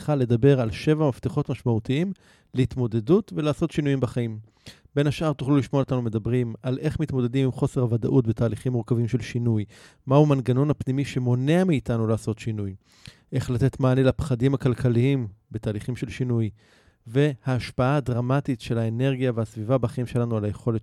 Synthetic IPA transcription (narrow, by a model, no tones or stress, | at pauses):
χale̞d̪abe̞ʁalʃe̞vamaft̪eχo̞tmaʃmautiim | leit̪mo̞de̞dutve̞laːso̞tʃinujimbaχaim | b̥e̞nhaʃaʁt̪uχluliʃmoaotanume̞dabʁimalʔe̞χmit̪mo̞de̞dimimχo̞seʁhavada̰ʔutbetaːliχimːuʁkavimʃe̞lʃinuj | mahumanɡano̞nhapnimiʃe̞mo̞neamiːtanulaːsotʃinuj | ʔe̞χlate̞tmaːnelapχadimakalkʰaliimbe̞taːliχimʃe̞lʃinuj | ve̞haːʃpaaːdʁamatitʃe̞laene̞ʁɡijaveasvivabaχaimʃelanualaje̞χo̞le